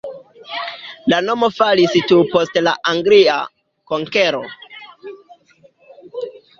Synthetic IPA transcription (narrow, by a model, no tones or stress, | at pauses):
lano̞mo̞falistupo̞stla̰ʔaŋɡlia̰ | koŋkeɾo